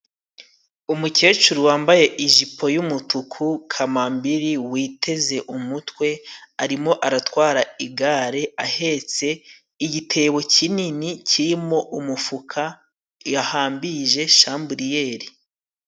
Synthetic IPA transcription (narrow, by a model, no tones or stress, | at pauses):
umuce̞ːt͡ʃuɾuwaːmbaje̞ʔiʒipʰo̞jumutukʰukʰamambiɾiwiːtʰe̞ze̞ʔumutwe̞aɾimo̞ʔaɾatwaːɾaiɡaːɾe̞ahe̞t͡se̞ | iɟitʰe̞ːβo̞cininicʰiɾimo̞ʔumufukʰa | jahaːmbiʒe̞ʃaːmbuɾije̞ːɾi